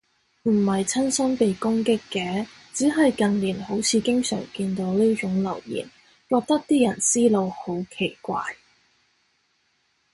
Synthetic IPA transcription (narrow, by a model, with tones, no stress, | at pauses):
m̩˨˩hɐ˨jt͡sʰɐ˥nsɐ˥npe˨jkʊ˥ŋkɪ˥kːɛː˨˥ | t͡siː˨˥ɦɐ˨jkɐ˨nliː˨˩nɦo˨˥wt͡sʰiː˨˧kɪ˥ŋsœ̰ː˨˩ŋkiː˧nt̪o˨˥wniː˥t͡ʃʊ˨˥ŋlɐ̰˨˩wjḭː˨˩n | kɔː˧k̚t̪ɐ˥k̚t̪iː˥jɐ˨˩nsiː˥lo˨˧who˨˥wkʰe˨˩jkʷa̰ː˧j